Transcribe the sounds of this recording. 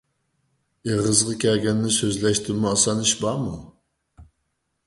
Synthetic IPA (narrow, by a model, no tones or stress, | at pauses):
eʁəzʁɑkʲʰɛɡʲɛnːɪsøzlɛʃt̪ɪmuɑsɑniʃbɑmu